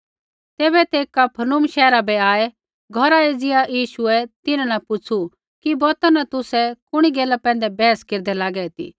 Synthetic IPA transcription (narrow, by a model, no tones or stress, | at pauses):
t̪eːbɛt̪eːkapʰɐnʊmʃɛːɾabɛaːɛ | ɡʱɔɾaed͡zɪajiːʃuɛt̪ɪnãnɐpʊt͡ʃʰu | kibɔːt̪anɐt̪ʊsɛkʊɽ̃iɡeːlapɛ̃ːn̆d̪ɛbɛːəskeːɾd̪ɛlaːɡɛt̪ḭː